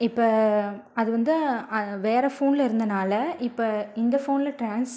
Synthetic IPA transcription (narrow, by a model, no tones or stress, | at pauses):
ɪpːoɐðɯʋɐnd̪ɯɐʋeːɾɐfoːnɪlɪɾɯnd̪ɐnaːlɐɪpːoɪnd̪ɐfoːnɪlɐʈɾaːns